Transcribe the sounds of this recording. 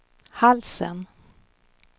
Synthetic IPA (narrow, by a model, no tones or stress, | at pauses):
halsə̰n